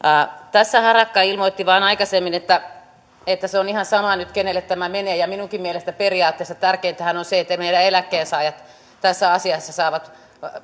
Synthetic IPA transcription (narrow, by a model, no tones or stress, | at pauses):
ɑt̪æsːæhɑrɑkːɑilmoit̪ːiʋɑːnɑikɑsemːinet̪ːæ | et̪ːæseonihɑnsɑmɑnyt̪kenelːˑet̪t̪æmæmeneːjɑminuŋkimmielest̪æperiɑːt̪ːeːsːɑt̪ærkeːnt̪æhænonseet̪ːæmeiɾæelækːeːnsɑːjɑt̪ | t̪æsːæɑsiɑsːɑsɑːʋɑt̪